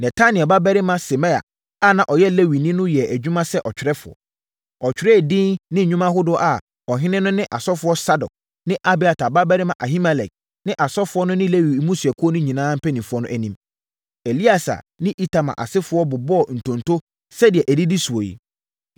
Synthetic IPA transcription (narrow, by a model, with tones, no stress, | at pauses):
nɛ˨tʰa˦nɪ̃˨ɛ˨ba˦bɛ˦ɾɪ˦mã˦sɪ˨mɛ˦a̰˨ | a˦˨nã˨ʔɔ˨jɛ˦le˦wi˨nĩ˦nʊ̃˦jɛ˨æ˨d͡ʑᶣu˦mã˦sɛ˦ʔɔ˨t͡ɕᶣɪ˨ɾɛ˦fʊ˨ɔ̰˨ | ɔ˨t͡ɕᶣɪ˨ɾɛ˦˨dɪ̃˦nnɪ̃˦˨ɲᶣũ˦mã˦ɦʊ˦dʊ˦ʔa˨ | ɔ˨ɦɪ̃˦nɪ̃˦nʊ̃˦nɪ̃˦ʔa˨sɔ˦fʊ˨˦ɔ˦sa˦dɔ̰˨k̚ | nɪ̃˦ʔa˦bi˨a˨tʰa˨ba˦bɛ˦ɾɪ˦mã˨ʔa˨ɦi˦ma˨lɛ˨k̚ | nɪ̃˦ʔa˨sɔ˦fʊ˨˦ɔ˦nʊ̃˦nɪ̃˦le˦wi˨˦mũ˦su˨ɛ˨kʰʊ˦ɔ˦nʊ̃˦ɲĩ˨nãː˦m̩˦pʰɛ˦nĩ˨fʊ˦ɔ˦nʊ̃˦ʔæ˦nĩ˦m | e˨li˦a˨sa̰˨ | nɪ̃˦ʔi˦tʰa˨mã̰˨ʔa̰˨sɪ˦fʊ˨˦ɔ˦bʊ˨bɔ˦˨n̩˨tʰõ˨ntʰo˦ | sɛ˦di˨ɛ˨ʔæ˨di˦di˦su˨o˨jḭ˨